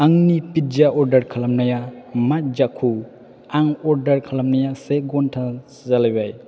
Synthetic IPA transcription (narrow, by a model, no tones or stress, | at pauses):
aŋnipit̚d͡ʒaʔɔɾdɐɾkʰalamnajamat̚d͡ʒakʰu | aŋɔɾdɐɾkʰalamnajaseɡɔntʰa | zalajbaj